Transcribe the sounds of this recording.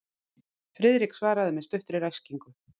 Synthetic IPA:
fɾɪðɾiksvaːɾaðɪmɛst̪œht̪ɾɪɾajsciŋkʏ

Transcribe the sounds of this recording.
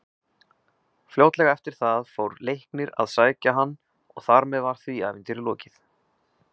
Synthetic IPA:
fljowt̪lɛɣaɛft̪ɪɾ̥θaðfowɾlejhknɪɾa̰ðsaːjcaɦanː | ɔ̰ɣθaɾmɛðvaɾ̥θvia̰ːvɪnt̪ɪɾɪlɔːcɪθ

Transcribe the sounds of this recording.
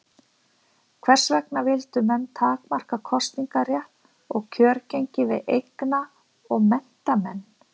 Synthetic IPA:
kʰvɛr̥svɛknavɪlt̪ʏmɛnːt̪ʰaːkmar̥kakʰɔst̪niŋkarjɛht̪n | ɔɣcʰœːɾcejɲcɪvɪðejkna | ɔɣmɛn̥t̪amɛnː

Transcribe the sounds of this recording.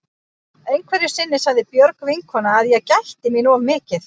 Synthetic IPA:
ejnkʰvɛɾjɪ̥sɪnːɪsavðɪpjœɾkvɪŋkʰhɔnaːðjɛɣcajht̪ɪminuavmɪːcɪθ

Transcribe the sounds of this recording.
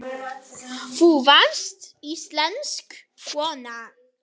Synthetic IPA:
fuvast̪islansk | fwɔna

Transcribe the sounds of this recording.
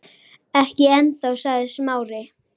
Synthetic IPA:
ɛhcɪɛnθaɣsaɣðɪsmaːwɾɪ

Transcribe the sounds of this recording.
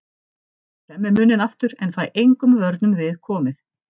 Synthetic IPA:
ɛmːɪmʏːnɪnaft̪ʏɾɛnfaːjʔejŋkʏmvœɾt̪nʏmvɪðkʰɔːmɪθ

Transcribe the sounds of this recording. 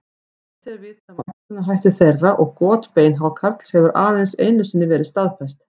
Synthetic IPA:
t̪ɛɾvɪt̪amaʏnaɦajht̪ʏθejrːaʔɔɣkɔːt̪peːjnɦavakʰaɾt̪l̥shɛvʏɾʔaːðejnsḛːjnʏsɪnːɪvɛːɾɪðst̪aðfɛst̪

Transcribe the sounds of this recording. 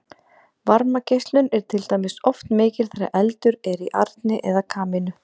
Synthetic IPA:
vaɾmacejst̪lʏnɛɾ̥t̪ʰɪlt̪aːjmɪsɔft̪nmɪːcɪɾ̥θaɾa̰ʔɛlt̪ʏɾɛɾiʔa̰ɾt̪nɪʔɛðakʰaːmɪnʏ

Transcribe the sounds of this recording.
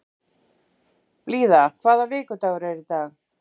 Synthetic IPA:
pliːðakʰvaːðavɪːkʏt̪aɣɾɛɾɪt̪aɣ

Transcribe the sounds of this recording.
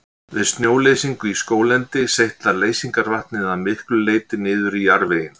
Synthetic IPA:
vɪðst̪njoːwlejsiŋkʏiskoːwlɛnt̪ɪsejht̪laɾleːjsiŋkaɾvaht̪nɪðaðmɪhklʏleːjt̪ɪnɪːðʏɾiaɾvejɪm

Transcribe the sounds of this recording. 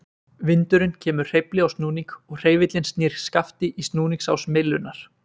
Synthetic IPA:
vɪnt̪ʏɾɪncʰɛːmʏ̥r̥ejplɪawst̪nuːniŋkɔɣr̥eːjvɪt̪lɪnst̪niːɾ̥skaft̪ɪʔist̪nuːniŋksa̰wsmɪlːʏnːaɾ̥

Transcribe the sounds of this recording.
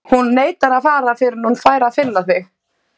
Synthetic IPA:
hunːeːjt̪aɾaðfaːɾafɪɾɪnunfaːjɾaðfɪlːaθvɪx

